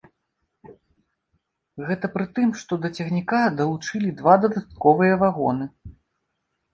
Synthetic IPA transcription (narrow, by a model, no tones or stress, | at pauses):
ɣɛt̪ɐpɾɨt̪ɨmʂt̪ɔd̪ɐt͡sʲɛɣnʲikad̪ɐlˠut͡ʂɨlʲid̪vad̪ɐd̪at̪̚kɔvɨjɐvaɣɔnɨ